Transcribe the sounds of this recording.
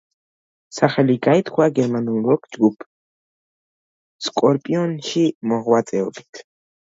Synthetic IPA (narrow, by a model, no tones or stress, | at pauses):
saχɛliɡajt̪χwaɡɛɾmanɔmɾɔkʰd͡ʒɡupʰ | skʼɔɾpʼiɔnʃimɔʁwatt͡sʼɛɔbi̥t̪ʰ